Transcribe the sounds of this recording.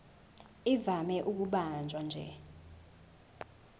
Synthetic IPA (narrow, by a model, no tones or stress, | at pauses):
ivamɛʔuk̬uɓand͡ʒʱwand͡ʒʱɛ̰